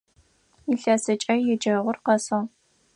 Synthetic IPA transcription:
iːɬɐsɨt͡ʃʼɐjɛd͡ʒɐʁʷʊrqɐsɐʁ

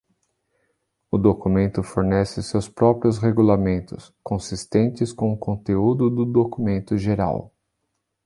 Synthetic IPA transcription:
ʊd̪okumẽnt̪ʊfoɾnɛsɪsewspɾɔpɾiʊsheɡulamẽnt̪ʊs | kõsist̪ẽnt͡ʃɪskõʊkõnt̪eud̪ʊd̪ʊd̪okumẽnt̪ʊʒeɾa̰w

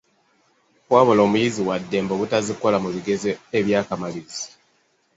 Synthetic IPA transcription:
kwaːβolo̞ːmujiziwadːe̞ːmboβutaziko̞lamuβiɡe̞zeeβjaːkamalizi

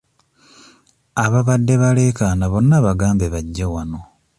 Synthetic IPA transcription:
aβaβadːe̞βale̞ːkanaβo̞nːaβaɡaːmbeβaɟːawano̞

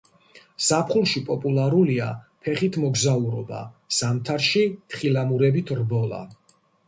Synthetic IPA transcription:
z̥apʰχulˠʃipʼɔpʼulˠaɾuliapʰɛχit̪ʰmɔɡzauɾɔba̰z̥amt̪ʰaɾʃit̪ʰχilamuɾɛbit̪ʰrbɔlˠa̰

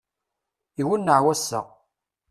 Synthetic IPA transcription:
iwunːəʕwæsːə̰ʁ

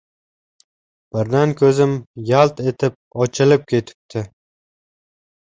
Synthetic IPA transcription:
b̥ɪɾd̪ankʰʲɵzɪmjalˠt̪e̞t̪ʰɪp̚ɒt͡ʃʰɪlɪp̚kʲʰe̞t̪ʰɪ̥p̚t̪ʰɪ

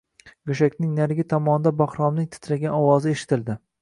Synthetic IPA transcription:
ɡʊʃ̬akʲnɪŋnaɾɡʲɪt̪ʰɒmɒnɪd̪abɒχɾɒmnɪŋt̪ʰɪ̥t̪ʰlaɡʲanɒwɒzɪeʃɪ̥t̪ʰɪld̪ɪ

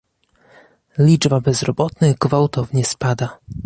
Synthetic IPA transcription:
lʲid͡ʐbabɛzɾɔbɔt̪nɛɡvawt̪ɔvɲɛspad̪a

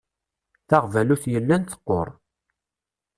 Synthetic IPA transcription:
θaʁvæluθjəlːænt̪ə̥qːo̰ɾˤ

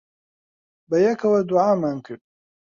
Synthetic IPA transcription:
bɐjɛkʰɐwɐd̪uʕaːmaːnkʰɨɾd̪̚

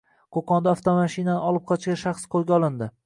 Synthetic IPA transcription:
qʰoqɒnd̪aaft̪ʰomaʃinanɪɒlˠɪp̚qʰɒɪt͡ʃʃɡʲaʃaχsqʰolˠɡʲaɒlˠɪnd̪ɪ

